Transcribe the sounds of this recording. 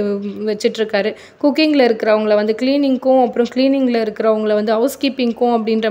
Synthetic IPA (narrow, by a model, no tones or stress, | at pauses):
ʋɛt͡ʃːɪʈːɾɯkːaːɾɯ | kuːkːɪŋɡlɐɪɾɯkːɪɾɐʋɐŋɡɐɭɐʋɐnd̪ɯkliːnɪŋɡʊ̃ɐpːɯɾʊ̃kliːnɪŋɡlɐɪɾɯkːɪɾɐʋɐŋɡɐɭʋɐnd̪ɯɐʊskiːpɪŋɡʊ̃ɐp̬ːɐɽɪnɾɐ